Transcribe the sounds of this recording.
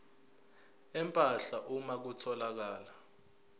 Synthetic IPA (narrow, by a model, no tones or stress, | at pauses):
ɛmpʼaɬaʔumak̬utʰɔlak̬aːla